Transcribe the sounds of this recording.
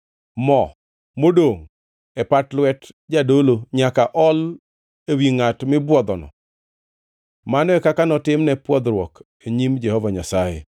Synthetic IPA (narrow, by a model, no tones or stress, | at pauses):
mɔ | modoŋ | ɛpatlwɛt | d͡ʒadoloɲakaʔɔl | ewiŋatmɪbwɔd̪ɔnɔ̰ | manɔɛkakanɔtɪmnɛpwɔd̪ɾwɔk | eɲimd͡ʒɛhɔvaɲasajɛ̰